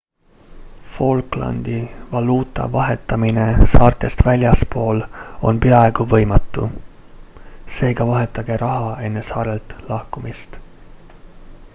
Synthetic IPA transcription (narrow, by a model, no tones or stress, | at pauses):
fo̞lklɑ̰nd̪̥ivɑluːt̪ˑɑ̰vɑɦe̞t̪ːˑɑmine̞sɑːrt̪ˑe̞st̪vælʲjɑspo̞ːlo̞npe̞ɑe̞ɡ̥uvɤjmɑt̪ˑːu | se̞ːɡ̥ɑvɑɦe̞t̪ːˑɑɡ̥e̞ɾʔɑɦɑe̞nːe̞sɑːɾe̞lt̪lɑhkumist̪